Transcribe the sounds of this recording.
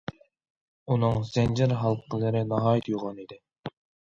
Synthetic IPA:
unɨŋz̥ɛnd͡ʒɪɾɦɑlˠqʰəlˠɨɾɪnɑɦɑːjit̪ʰjuʁɑnid̪ɪ

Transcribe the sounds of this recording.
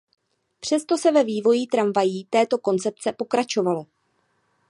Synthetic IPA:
pr̝̥ɛst̪o̞sɛvɛviːvo̞jiːt̪ɾaɱvajiːt̪ɛːt̪o̞ko̞nt͡sɛp̚t͡sɛpo̞kɾat͡ʃo̞valo̞

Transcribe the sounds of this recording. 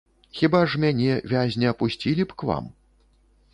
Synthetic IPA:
xʲibaʐmʲanʲɛvʲazʲnʲɛɐpusʲt͡sʲilʲipkva̰m

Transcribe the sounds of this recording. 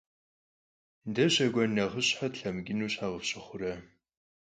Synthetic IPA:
dɐɕɐɡʷɔnɐʁəɕħatɬɐmɡʲɪnuːɕħaʁəfɕɪχʷʊɾɐ

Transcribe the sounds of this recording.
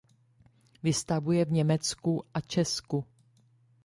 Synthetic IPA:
vɪst̪avujɛvɲɛmɛt͡skuʔat͡ʃɛsku

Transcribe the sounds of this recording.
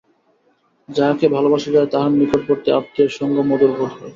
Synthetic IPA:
d͡ʑakebʱalobaʃad͡ʑaet̪aɦanmikʰoʈ̚poɾt̪eap̚t̪ieɾʃɔŋɡomɔd̪oɾbʱoʈɦɔe

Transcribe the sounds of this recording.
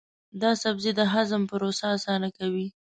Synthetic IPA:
d̪ɑsabzid̪əɦazəmpəɾosaːsɑnakawi

